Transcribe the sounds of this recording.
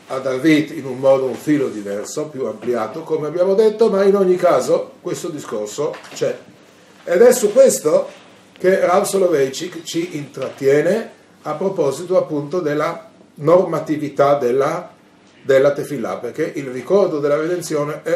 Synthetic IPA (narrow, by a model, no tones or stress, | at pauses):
ad̪avit̪inunmɔːd̪ouɱfiːlod̪ivɛrsopjuampljaːt̪okomeabːjaːmod̪et̪ːomainoɲːikaːzokwest̪od̪iskorsot͡ʃɛ | ed̪ɛsukːwest̪o | k̟erawsolovejt͡ʃikt͡ʃiʔint̪ɾat̪ːjɛːne | apːɾopɔzit̪oapːunt̪od̪elːa | normat̪ivit̪ad̪elːa | d̪elːat̪efilːa̰perk̟eʔilrikɔrd̪od̪elːaɾed̪ent̪sjoːneɛ